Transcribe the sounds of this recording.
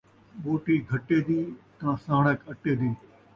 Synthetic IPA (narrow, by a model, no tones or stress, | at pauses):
ɓoːʈiːɡʱɐʈeːd̪iːk̪ãːsãːɳəkɐʈeːd̪iː